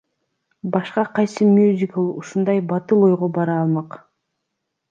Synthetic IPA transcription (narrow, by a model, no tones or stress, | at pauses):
bɑʃqɑqʰɑjsɨmʲjuzʲɪkəlˠuʃund̪ɑjbɑt̪ɯlˠo̞jʁobɑɾɑːlˠmɑq